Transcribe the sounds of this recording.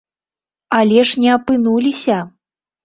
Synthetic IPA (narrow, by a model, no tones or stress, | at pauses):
alʲɛʂnʲɛɐpɨnulʲisʲɐ